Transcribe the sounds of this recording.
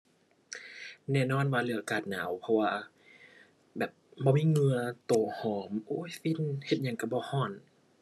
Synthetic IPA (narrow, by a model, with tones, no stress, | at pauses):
nɛː˧˩˨nɔː˧˥˨nwaː˧lɯ˧˩˦ɐkaː˧˩t̪̚na̰ː˨˦wpʰɔ˧waː˧ | bɛː˨˩p̚bɔː˧miː˧˨ŋɯ˧ɐt̪oː˨˩hɔː˨˩˦mʔoː˧˦˨jfi˧˥˨nhe˧t̪̚ɲa˧˩ŋka˧˩bɔː˧˦hɔː˧˩n